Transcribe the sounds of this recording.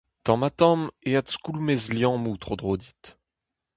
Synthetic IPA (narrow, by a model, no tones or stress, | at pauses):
t̪ɑ̃mat̪ɑ̃meat̪skulmezljɑ̃mut̪χod̪ʁod̪it̪